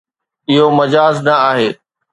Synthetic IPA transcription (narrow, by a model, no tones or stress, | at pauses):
ɪɦomɐd͡ʑaːznɐaːɦeː